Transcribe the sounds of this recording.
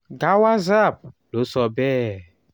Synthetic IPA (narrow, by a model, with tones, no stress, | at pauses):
ɡa˦wa˦za˦˨b̚lo˨˦sɔ˨bɛ˦